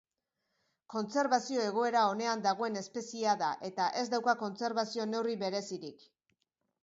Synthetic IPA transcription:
ko̞nt͡se̞ɾβasio̞e̞ɣ̞o̞e̞ɾao̞ne̞and̪aɣ̞o̞e̞ne̞spe̞siaðaʔe̞t̪aʔe̞zd̪awkako̞nt͡se̞ɾβasio̞ne̞wriβe̞ɾe̞siɾik

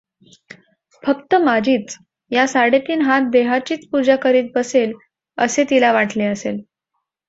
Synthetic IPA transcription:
fəkt̪əmad͡ʑʱiːt͡s | jasaɽet̪iːnɦat̪̚d̪eɦat͡ɕiːt͡spud͡ʑakəɾiːt̪̚bəsel | əset̪ilaʋaʈʰleəsel

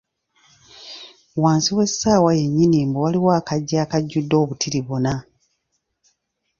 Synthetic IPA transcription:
waːnsiwe̞sːaːwaje̞ɲːiniːmbowaliwaːkaɟːaːkaɟːudːo̞ːβutʰiɾiβona

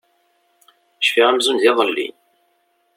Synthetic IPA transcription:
ʃfiʁæmzunðɪðˤəlːḭn

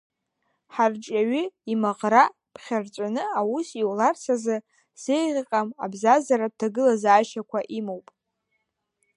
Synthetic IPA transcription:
ħart͡ʃʼaɥʏimaʁra | pʰχʲart͡ʃʷʼanɨawusiwlart͡sʰazɨ | z̥ejʁʲqʼama̰bzazaɾad̚tʰaɡɨlazaːʃakʷʰaʔimowpʼ

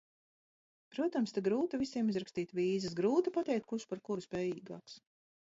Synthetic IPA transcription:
pɾuɔt̪amst̪aɡɾuːt̪avisiɛmizɾakst̪iːt̪viːzɛs̬ɡɾuːt̪ipat̪ɛjk̚t̪kuʃpaɾkuɾuspɛːjiːɡa̰ːks

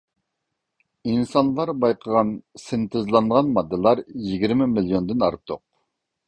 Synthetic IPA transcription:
insɑnlˠɑɾbɑjqʰəʁɑnsɪnt̪ʰɪzlˠɑɴʁɑnmɑd̪ːɨlˠɑɾjiɡʲiɾmɪmilˠijond̪ɪnɑ̰ɾt̪ʰːoq̚

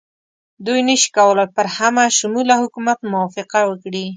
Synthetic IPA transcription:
d̪ujnəʃi̥kawəlajpəɾhamaʃʊmulahʊkumat̪mʊwɑfɪqawəkɽi

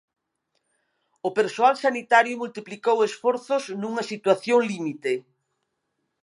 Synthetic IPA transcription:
ʊpeɾsoalsanit̪aɾjʊmult̪iplikowesfɔɾθʊznũŋɐsit̪waθjoŋlimit̪e

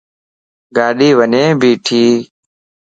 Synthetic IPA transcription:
ɡaːɗiːʋənẽːbʱiːʈʰiː

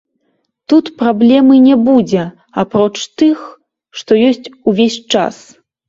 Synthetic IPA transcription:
t̪ut̪pɾablʲɛmɨnʲɛbud͡zʲɛ | apɾɔt͡ʂt̪ɨx | ʂt̪ɔjɔsʲt͡sʲuvʲesʲt͡ʂa̰s

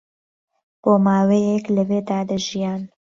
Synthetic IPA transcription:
b̥oːmaːwejɛklɐweːd̪aːd̪ɐʒijaːn

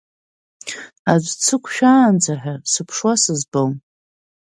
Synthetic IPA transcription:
azʷt͡sʰɨkʷʰʃᶣaːnd͡zʰaħᶣasɨpʰʂwasɨzbowm

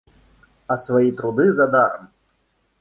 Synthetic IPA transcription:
ɐsvajit̪ɾud̪ɨzad̪aɾɐm

